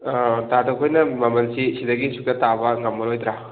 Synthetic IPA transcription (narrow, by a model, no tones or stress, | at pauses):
tatʰokʰojnɐmɐmɐnsisidɐɡisuk̚tɐtabɐŋɐmːɐlojd̪ɾa